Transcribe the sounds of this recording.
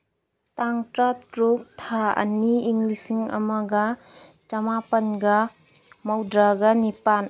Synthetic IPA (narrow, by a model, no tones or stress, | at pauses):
t̪aŋtɾatɾup̚t̪ʰaɐ̰niːŋlisiŋɐ̰mɐɡɐ | t͡ʃɐmapɐnɡɐ | mɐwdɾaɡɐnipan